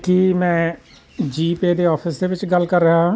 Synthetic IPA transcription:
kimɛ̃ː | d͡ʒiːpeːd̪eːɔːpʰɪsd̪eːʋɪt͡ʃɡəlkəɾːəɦaɦãː

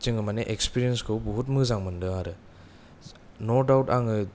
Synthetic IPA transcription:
t͡ʃɯŋɯmaneʔekspiɾijenskʰɯwbɔɦut̬̚mɯzaŋmɯndɯaɾɯ | nɔɾdawtaŋɯ

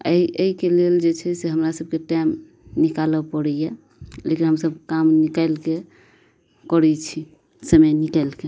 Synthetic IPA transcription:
ə̰iʔəikeleld͡ʒet͡ʃʰɛseɦəmɾasəb̚keʈajm | nikaləpəɽɛje | lekinɦəmsəbkamnikaɪlke | kəɾɛt͡ʃʰi | səməjnikaɪlke

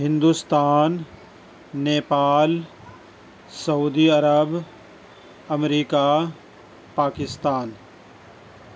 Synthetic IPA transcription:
ɦɪ̃nd̪ust̪aːnː | eːpaːl | sɐuːd̪iɐɾəb | ɐmɾiːka | paːkɪst̪aːn

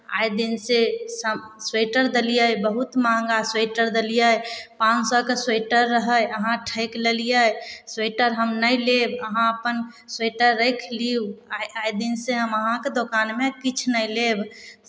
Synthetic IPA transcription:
a̰jd̪insesəmsweʈəɾd̪əlijəjbəɦut̪mãŋɡaseʈəɾd̪əlijəjpãt͡ʃsɔkesweʈəɾːəɦəjəɦãʈʰəɪkləlijəjsweʈəɾɦəmnəjlebəɦãəpən | sweʈəɾːəjkʰliuaːjd̪inseɦəməɦãked̪okaːnmekit͡ʃʰnəileb

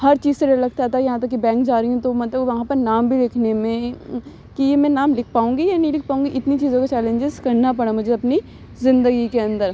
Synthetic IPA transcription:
hɐɾt͡ʃiːzseɾɐlɐɡt̪aɦɛt̪ʰajɐɦãt̪̬ɐkːibɛ̃ːŋkd͡ʒaːɾiũt̪omɐt̪ləbʋɐɦãpɐɾnaːmbʱilɪkʰnemẽ | kijemɛ̃ːnaːmlɪkʰpaːũːŋɡijanɐĩlɪk̚ʰpaːũːŋɡiʔɪt̪nit͡ʃiːzõkat͡ʃɛːlẽɲd͡ʒɪzkɐɾnapɐɽ̃amʊd͡ʒʱeɐpni | zɪ̃nd̪əɡikeɐ̃nd̪əɾ

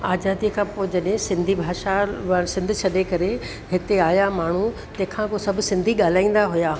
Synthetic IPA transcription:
aːzaːd̪ikʰãːpoːɪd͡ʑɐɗɦɪ̃sɪ̃nd̪ʱibʱaːʃaʋasɪ̃nd̪ʱʊt͡ɕʰɐɗekɐɾe | ɦɪt̪eaːjamaːɳ̤ut̪ɐ̃ɦɪ̃kʰãkosɐbʱʊsɪ̃nd̪ʱiɠaːl̤aːĩːn̆d̪aɦʊjaː

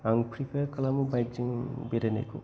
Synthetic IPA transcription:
aŋpʰɾipʰeɾkɐlamubajk̚d͡ʒiŋbeɾenḛkʰṵ

